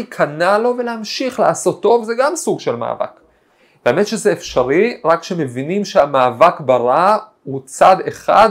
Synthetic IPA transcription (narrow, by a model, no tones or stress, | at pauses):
ikʰanalo̞veleamʃiχleaso̞tːo̞vzeɡamsuɡʃe̞lma̰ːva̰k | veaame̞tʃe̞zeefʃaʁiʁakʃe̞mevinimʃeamaːvakbaʁa | ut͡sad̪e̞χa̰d̪